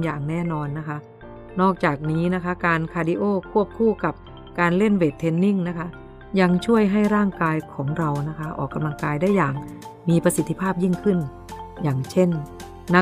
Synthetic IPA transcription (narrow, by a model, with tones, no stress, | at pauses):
jaː˨˩ŋnɛː˥˩nɔː˧nːa˦˥kʰa˦˥ | nɔː˥˩k̚t͡ɕaː˨˩k̚niː˦˥na˦˥kʰa˦˥kaː˧nkʰaː˧di˧ʔoː˥˩kʰu˥˩əp̚kʰuː˥˩ka˨˩p̚ | kaː˧nle˥˩nweː˨˩t̪ʰːe˧˥nːi˥˩ŋna˦˥kʰa˦˥ | ja˧ŋt͡ɕʰu˥˩əjɦa˥˩jɾaː˥˩ŋkaː˧jkʰɔː˩˦ŋɾa˧wna˦˥kʰa˦˥ʔɔ̰ː˨˩kːa˧mla˧ŋkaː˧jdaː˥˩jːaː˨˩ŋ | miː˧pɾa˧si˨˦t̪ʰːi˧pʰaː˥˩p̚ji˥˩ŋkʰɯ˥˩n | jaː˨˩ŋt͡ɕʰe˥˩nː | a˦˥